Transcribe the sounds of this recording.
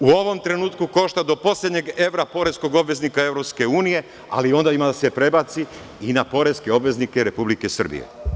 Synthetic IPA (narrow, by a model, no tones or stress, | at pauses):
uoʋo̞mt̪ɾe̞nuːt̪kuko̞ʃt̪ad̪o̞po̞slʲe̞d̪ɲe̞ɡe̞ʋɾapo̞ɾe̞sko̞ɡo̞bʋe̞znikae̞ʋɾopske̞uːnije̞ | a̰lio̞nd̪aimad̪ase̞pɾe̞bat̪si | inapo̞ɾe̞skeo̞bʋe̞znikeɾe̞publike̞sər̩bḭjḛ